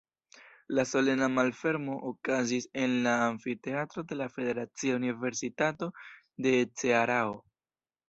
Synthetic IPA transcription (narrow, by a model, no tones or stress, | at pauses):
laso̞le̞namalfe̞ɾmo̞ʔokazise̞nlaːɱfite̞atɾo̞de̞lafe̞de̞ɾat͡siaunive̞ɾsitato̞ | de̞t͡seaɾao